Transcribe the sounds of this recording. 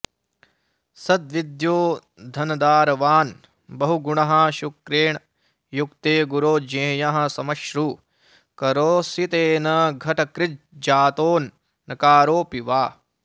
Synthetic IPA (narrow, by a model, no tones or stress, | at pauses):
sɐd̪ʋid̪joː | d̪ʱɐnɐd̪aːɾɐʋaːn | bɐɦuɡuɳɐɦɐʃukɾeːɳ | jukt̪eːɡuɾoːd͡ʒẽːjɐɦɐ̆sɐmɐʃɾu | kɐɾoːsit̪eːnɐɡʱɐʈɐkɾɪt̪̚ | d͡ʒaːt̪oːnː | ɐkaːɾoːpiʋaː